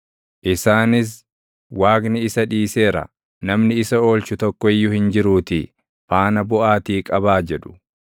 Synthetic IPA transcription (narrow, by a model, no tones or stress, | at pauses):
ʔɪsaːnɪs̬ | waːɡnɪɪsɐᶑiːse̞ːɾɐ̰ | nɐmnɪɪsɐo̞ːlt͡ʃʊt̪ɔkːɔɪjːʊhɪnd͡ʒɪɾuːt̪ɪ | faːnɐbʊʔaːt̪iːkʼɐbaːd͡ʒɛᶑʊ̥